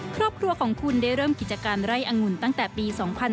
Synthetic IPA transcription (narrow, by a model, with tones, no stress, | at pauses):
kʰɾɔː˥˩p̚kʰɾu˧ɐkʰɔː˩˦ŋkʰu˧ndaː˥˩jɾɤː˥˩mki˨˩t̪̚t͡ɕa˧kaː˧nɾa˥˩jʔa˧ŋu˧˩nt̪a˥˩ŋt̪ɛː˨˩piː˧sɔː˩˦ŋpʰa˧n